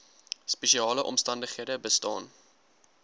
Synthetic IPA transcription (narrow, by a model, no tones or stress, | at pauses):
spɛʃiɑːləʔɔ̰mstɐndəχiədəbəstɑːn